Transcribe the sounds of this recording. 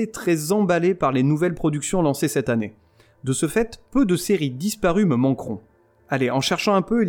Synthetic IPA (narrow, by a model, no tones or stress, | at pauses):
et̪χɛzɑ̃balepaʁlenuvɛlpχɔd̪yksjɔ̃lɑ̃sesɛt̪ane | d̪əsəfɛt̪pød̪əseʁid̪ispaʁyməmɑ̃kχɔ̃ | aleʔɑ̃ʃɛʁʃɑ̃ɛ̃pøil